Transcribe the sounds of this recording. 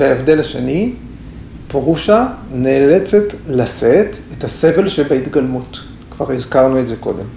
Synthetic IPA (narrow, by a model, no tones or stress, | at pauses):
veaevd̪e̞lhaʃḛni | pʁuʃanelet͡setlasetethase̞ve̞lʃebeitɡalmut | kva̰ʁizkaʁnuetze̞ko̞̰de̞̰m